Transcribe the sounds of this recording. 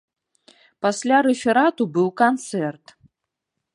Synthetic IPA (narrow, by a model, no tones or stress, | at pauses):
pasʲlʲaɾɛfʲɛɾat̪ubɨwkant̪sɛrt̪